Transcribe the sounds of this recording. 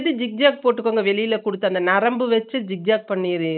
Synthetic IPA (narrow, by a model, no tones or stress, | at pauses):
ðɯd͡ʒɪk̚d͡ʒaːk̚poːʈːɯkːoːŋɡɐʋɛɭɪjɪlɐkʊɽɯt̪ːɐnd̪ɐnɐɾɐmbɯʋɐt͡ʃːɯd͡ʒɪk̚d͡ʒaːk̚pɐɳːiɾɯ